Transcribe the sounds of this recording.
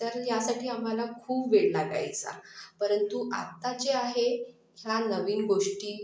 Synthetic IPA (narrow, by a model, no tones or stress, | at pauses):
t̪əɾjasaʈʰiːam̤alakʰuːbʋeɭlaɡa̰jt͡sa̰pəɾənt̪ua̰t̪at͡ɕeaɦe | hjanəʋiːnɡoʂʈiː